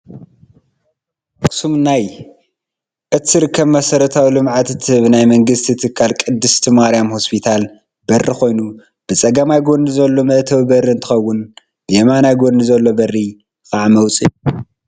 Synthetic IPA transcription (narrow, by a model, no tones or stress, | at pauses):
kʼʰɨ̥sumnaj | ʔɨt̪ʰɨɾɨkʰːɐβmɐsɐɾɐt̪ʰawilɨmʕat̪t̪ʰɨɨβɨnajmɐŋɡɨst̪ʰit̪ʰɨkʰːalkʼɨd̪ːɨst̪ʰimaɾijamho̞spʰit̪ʰal | bɐrːixo̞jnu | b̥ɨt͡sʼɐɡɐmajɡo̞ndizɐlːo̞mɐʔt̪ʰɐβbɐrɨɨnt̪ʰɨ̥xɐwːʊn | bɨemanajɡo̞nizɐlːo̞bɐrːi | kʼaʕmɐwt͡sʼiu